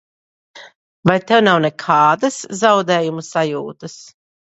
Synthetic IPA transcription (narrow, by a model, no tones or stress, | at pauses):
vajt̪ɛwnawnɛkʰaːd̪ɐszawd̪ɛːjumusajuːt̪ɨs